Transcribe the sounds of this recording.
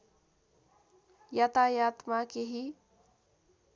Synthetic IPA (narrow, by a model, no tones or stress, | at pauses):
jat̪ajaːt̪makeɦi